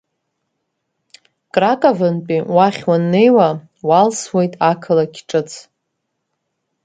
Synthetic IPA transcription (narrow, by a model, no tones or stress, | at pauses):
kʼrakʼavɨnpʼiwaχʲwanːe̞jwa | walswe̞jtʼakʰɨlakʲʰʈ͡ʂʼɨt͡sʰ